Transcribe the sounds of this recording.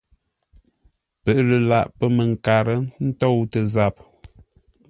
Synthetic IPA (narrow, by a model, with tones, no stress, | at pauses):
pə˨ʔlə˨la˦˨ʔpə˦mə˨ŋ̩˨ka˨ɾə˦n̩˦tɔ˦˨wtə˨za˨p̚